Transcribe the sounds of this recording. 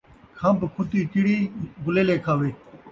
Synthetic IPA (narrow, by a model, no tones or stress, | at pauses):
kʰãmbkʰʊt̪iːkɪɽiːɡʊleːleːkʰaːʋeː